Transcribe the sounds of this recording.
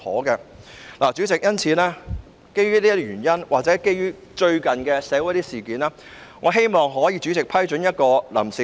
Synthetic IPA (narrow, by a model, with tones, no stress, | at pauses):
hɔ̰ː˨˥kɛː˧laː˨˩t͡ʃyː˨˥t͡sɪ˨k̚jɐ˥nt͡sʰiː˨˥nɛː˥ | ke˥jyː˥liː˥˩ɥyː˨˩njɐ˥nwʔaː˨k̚t͡sɛː˨˥ke˥jyː˥ | t͡ʃɵ˧ɥkɐ˨˩nkɛː˧sɛː˨˧˥wu˧˥t̪iː˥siː˨˩kiː˨˦nɛː˥ŋɔː˨˧ɦe˥jmɔː˨˩ŋɦɔː˨˥jiː˨˧t͡ʃy˨˥t͡sɪ˨k̚pʰɐ˥jt͡ʃɵ˨˥njɐ˥t̚kɔː˧lɐ̰˨˩msiː˨